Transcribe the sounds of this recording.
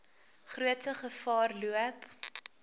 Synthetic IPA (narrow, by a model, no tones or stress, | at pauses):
χruətəχəfɑːrluəp